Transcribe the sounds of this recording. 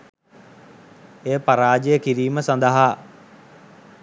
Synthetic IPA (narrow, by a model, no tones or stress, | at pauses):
eːpaɾaːd͡ʒejəkiɾiːməsand̪əɦaː